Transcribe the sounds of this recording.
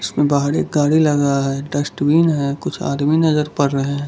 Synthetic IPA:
ɪsmẽbaːɦɾḛːk̚ɡaːɽilɐɡaɦɛɖɐsʈwiːnɦɛkʊt͡ʃʰa̰ːd̪minɐzəɾpɐɾːɐɦẽɦɛ̃ː

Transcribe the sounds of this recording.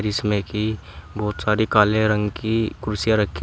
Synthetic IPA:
ɾismẽki | bɔːt̪saːɾikaːlẽɾə̃ŋɡkikʊɾʊsjaɾəkʰːi

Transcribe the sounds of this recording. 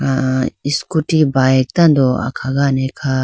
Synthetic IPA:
aiskuʈibajek̚t̪ɐnd̪oa̰kʰaɡanekʰa

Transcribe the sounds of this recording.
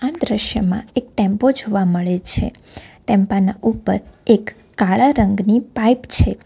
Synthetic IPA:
amd̪ɾəʃjəmã̰ek̚ʈɛ̃mpod͡ʒʱoʋaməɭet͡ʃʰḛ | ʈɛmpanaʔupəɾekː | aɭaɾəŋɡnipajpt͡ʃʰe

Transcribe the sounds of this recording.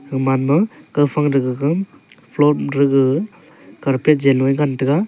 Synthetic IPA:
ɯmanmɯkɯwpʰaŋɾɯɡɯɡɯ | pʰlɔɾɯɡɯ | kaɾpet̚d͡ʒenajɡantɯɡa

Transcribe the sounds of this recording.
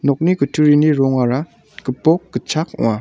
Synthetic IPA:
nɔk̚niɡɯtʰɯɾiniɾɔŋaɾa | ɡ̥ɯpɔk̚ɡ̥ɯt͡ʃʰakṵŋa

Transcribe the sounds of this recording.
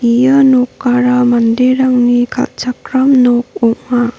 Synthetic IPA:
ijənɔkːaɾamandeɾaŋnikʰa̰lt͡ʃakɾamnɔk̚ɔŋma

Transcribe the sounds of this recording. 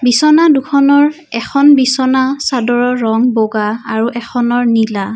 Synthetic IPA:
bisɔnadukʰɔnɔɹ | ɛkʰɔnbisɔnasadɔɹɔɹɔŋboɡaaɹuʔɛkʰɔnɔɹnila

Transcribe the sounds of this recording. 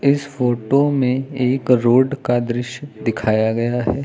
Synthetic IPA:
ɪsfoːʈomẽeːkɾoːɖkad̪ɾɪʃjd̪ɪkʰaːjaɡɐjaɦɛː

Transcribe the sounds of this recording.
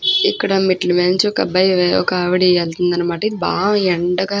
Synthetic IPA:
ikːɐɽɐmiʈlment͡ʃɔkɐbɐjʋeːo̰kaːʋɐɽiɛlt̪und̪ɐnːɐmaːʈɐibã̰ːɛɳɖɐɡaː

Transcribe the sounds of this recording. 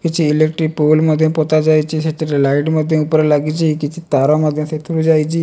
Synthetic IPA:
kit͡ɕiilek̚ʈɾiːk̚polməd̪ʱːjẽpot̪ad͡zajt͡ɕiːɕat͡ɕiɾlaiɖməd̪ʱːjẽupɾəlaɡit͡ɕikit͡ɕʰit̪aɾaməd̪ʱːjẽset̪ʰuɾud͡zajt͡ɕiː

